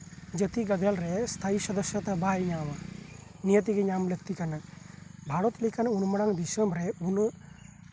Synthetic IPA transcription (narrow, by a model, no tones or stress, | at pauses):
d͡ʒɐt̪iɡɐd̪ʱelɾest̪ʰaisɐd̪ɐʃjɐt̪ɐbaːjɲaːmɐnijɐt̪iɡeɲaːmlək̚t̪ikɐnɐbʱaɽot̪likɐnunmɐɽaŋd̪iʃɐmɾeun